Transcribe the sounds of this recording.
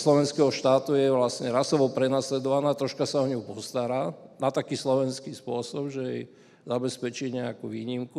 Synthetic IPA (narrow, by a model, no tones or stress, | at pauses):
slɔʋɛnskɛɦɔʃt̪aːt̪ujɛʋlasɲɛɾasɔʋɔpɾɛnaːslɛd̪ɔʋanaːt̪ɾɔʃkasaɔɲɔʊpɔst̪aɾaːnat̪akiːslɔʋɛnskiːspʊɔsɔbʒɛjɛj | zabɛspɛt͡ʃiɲɛakuːʋiːɲimku